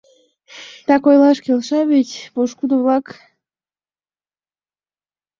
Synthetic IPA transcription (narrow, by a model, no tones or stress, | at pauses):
t̪ɑkojlɑʃkelʃɑβetʲpoʃkud̪oβlɑk